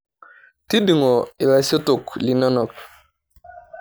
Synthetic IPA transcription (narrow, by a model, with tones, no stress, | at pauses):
ti˦di˨ŋɔ˨i˨la˨so˦tu˨kli˨nɔ˦nɔ˨k̚